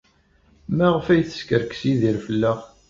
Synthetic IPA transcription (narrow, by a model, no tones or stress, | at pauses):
mæʁfæjθə̥skəɾksiðiɾfəlːæʁ